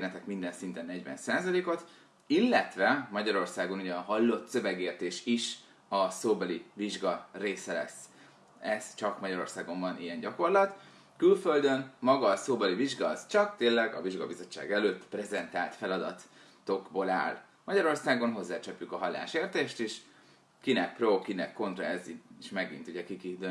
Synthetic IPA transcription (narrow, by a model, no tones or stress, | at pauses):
nɛt̪ɛkmind̪ɛnsint̪ɛnːɛɟʋɛ̰nsaːzɒleːko̞t̪ | ilːɛt̪ʋɛmɒɟɒɾo̞rsaːɡo̞nuɟɛːɦɒlːo̞t̪sø̞vɛɡeːrt̪eːʃiʃ | ɒsoːbɒliviʒɡɒreːsɛlɛ̰s | ɛz̥t͡ʃɒkmɒɟɒɾo̞̰rsaːɡo̞mbɒnʔijɛɲɟɒko̞rlɒt̪ | kylføld̪ø̞nmɒɡɒsoːbɛliviʒɡɒzt͡ʃɒk̚t̪eːlɛɡɒ̰viʒɡɒbizo̞t͡ʃːa̰ːɡɛløːt̪ːprɛzɛnt̪a̰ːlt̪fɛlɒd̪ɒt̪ | t̪o̞ɡbola̰ːl | mɒɟɒɾo̞rsaːɡo̞nɦo̞zːaːt͡ʃɛpːjykɒɦɒlːa̰ːʃeːrt̪eːʃt̪iʃ | kinɛk̚prokinɛkːo̞nt̪rɒɛzieʃmɛɡḭnt̪uɟɛkikid̪ø